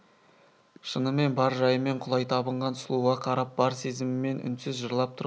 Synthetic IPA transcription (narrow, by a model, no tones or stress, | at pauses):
ʃənəme̞nbɑɾʒɑjəme̞ɴqʰʊlˠɑjt̪ʰɑbəɴʁɑnslˠuʁɑqʰɑɾɑp̚b̥ɑɾse̞zɪmɪme̞nʏ̰nsɪzʒəɾlˠɑp̚t̪ʰʊɾ